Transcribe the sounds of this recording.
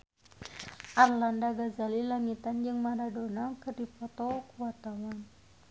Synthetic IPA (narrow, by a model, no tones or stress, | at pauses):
ʔarlandaɡazalilaŋit̪and͡ʒɨŋmaɾadonakɨdipɔt̪ɔkuat̪aŋan